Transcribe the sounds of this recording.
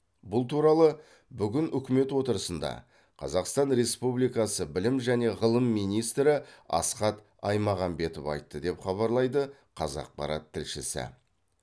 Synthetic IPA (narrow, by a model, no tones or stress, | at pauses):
bʊlˠt̪ʰuɾɑlˠə | bʏɡʲɪnʏkʲɪme̞t̪wo̞t̪əɾəsənd̪ɑ̰ | qʰɑ̰zɑqst̪ɑnɾe̞spublijkɑsəbɪlɪmʒæne̞ʁəlˠəmːijnijst̪ɾɪɑ̰sqɑt̪ | ɑjmɑʁɑnbe̞t̪əvɑ̰jt̪ːəd̪e̞pχɑβɑɾlˠɑjd̪ə | qʰɑzɑ̰q̚pɑ̰ɾɑt̪ʰːɪlʃɪsɪ̰